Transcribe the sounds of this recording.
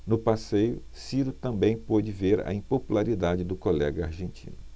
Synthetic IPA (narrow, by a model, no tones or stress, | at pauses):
nʊpasejʊ | siɾʊt̪ɐ̃bẽj̃pod͡ʒɪveɾɐ̰ĩpopulaɾid̪ad͡ʒɪd̪ʊkolɛɡɐaɾʒẽnt͡ʃḭ̃nʊ